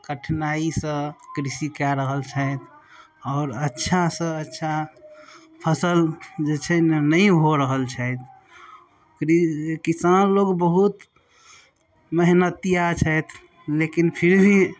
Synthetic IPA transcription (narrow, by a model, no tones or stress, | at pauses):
kəʈʰnaisə̃kɾisikaɾəɦəlt͡ʃʰəjt̪ʰ | ɔːɾətːʃʰasə̃ətːʃʰa | pʰəsəld͡ʒet͡ʃʰɛnəiɦoɾəɦəlt͡ʃʰɛɪt̪ʰ | ɾikisanloɡbəɦut̪ | məɦnət̪ijat͡ʃʰət̪ʰ | lekinpʰiɾbʱi